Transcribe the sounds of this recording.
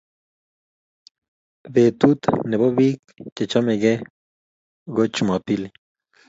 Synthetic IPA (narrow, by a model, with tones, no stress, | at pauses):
βe˨t̪ut̪ne˨βo˦βi˦k | t͡ʃe˨t͡ʃa˦meɡe˦ | ɡot͡ʃuma˨pi˦li